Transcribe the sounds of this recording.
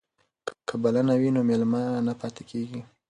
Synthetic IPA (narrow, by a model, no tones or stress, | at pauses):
kʰəbalanawinomelmanapɑt̪e̥kʰeɡi